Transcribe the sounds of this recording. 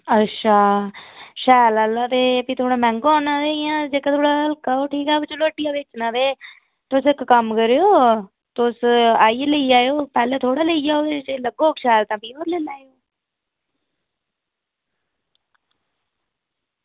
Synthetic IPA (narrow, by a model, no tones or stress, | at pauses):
ətːʃʰaː | ʃɛːlaːlãːt̪eːpĩːt̪ʰoːɽaːmɛ̃ːŋɡɔːnãːd̪eːjãːd͡ʒeːkãt̪ʰoːɽaːəlkaːoːʈʰiːkɛːɪt͡ʃoloːʈːɪjãːbet͡ʃnãːd̪eː | t̪ːʊsɪkkəmkəɾeːoː | t̪ʊsaːiːləiːaːoːpɛːlẽːt̪ʰoːɽaːləiaːoːd̪et͡ʃeləɡoːkʃɛːlt̪ãːpiːoːɾleːlaːeoː